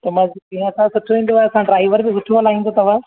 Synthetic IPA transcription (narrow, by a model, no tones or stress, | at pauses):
t̪ɐmãd͡ʑbĩɦãɐsãsʊʈʰoʋĩːn̆d̪oʋaːɐsãɖɾaːɪʋəɾbɪsʊʈʰoʋəlaːɦĩnd̪ot̪ɐʋ̤ã